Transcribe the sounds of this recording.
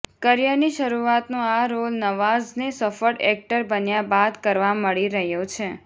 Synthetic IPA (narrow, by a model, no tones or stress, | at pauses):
kəɾjaniʃəɾuat̪nõaɾolnəʋaznesəfəɖɛk̚ʈəɾbənjabad̪kəɾʋaməɭiɾəɦjot͡ʃʰe